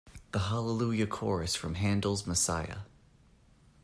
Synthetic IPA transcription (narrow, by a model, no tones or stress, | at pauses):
ðəɦɑlˠəlujɨkʰɔɹɨsfɹʌ̃mɦæ̃ndl̩ˠzməsaɪɨ̰